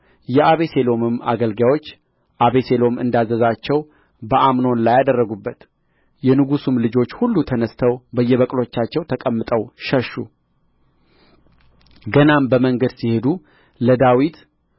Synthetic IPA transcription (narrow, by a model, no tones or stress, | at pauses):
jɛʔaβe̞selo̞mɨma̰ɡəlɡawo̞t͡ʃː | ʔaβe̞se̞lo̞mɨ̰nd̪azəzat͡ʃːɛw | bəʔamno̞nlajad̪ərːəɡubːət̪ | jɛnɨɡusumlɨd͡ʒo̞t͡ʃːhulːut̪ʰənəst̪ʰəwbəjːɛβəkʼlo̞t͡ʃːat͡ʃːɛwt̪ʰəkʼəmːɨt̪ʼəwʃəʃːṵ | ɡənambəməŋɡəd̪sihe̞d̪u | ləd̪awit̪